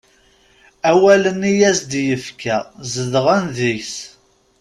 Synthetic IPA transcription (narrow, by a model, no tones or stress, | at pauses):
æwælənijæsd̪jəfkæzəðʁænðiçs